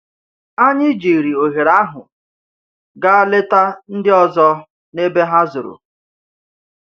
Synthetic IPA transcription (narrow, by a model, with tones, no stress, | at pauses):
a˦ɲɪ˦d͡ʒi˨ɾi˨o˨ɦe˨ɾa˦ɦʊ˨ | ɡa˦a˦le˦ta˦n̩˦dɪ˦ɔ˦zɔ˦ | ne˦be˦ɦa˦zʊ˨ɾʊ̰˨